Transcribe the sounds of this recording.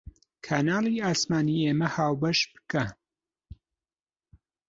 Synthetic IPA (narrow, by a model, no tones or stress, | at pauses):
kʰaːnaːlˠiːaːsmaːniːeːmɐhaːwbɐʃbɨkɐ